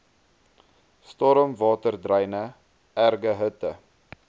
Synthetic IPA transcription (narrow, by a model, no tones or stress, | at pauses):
stɔɾəmvɑːtərdrəjnə | ærɡəɦətə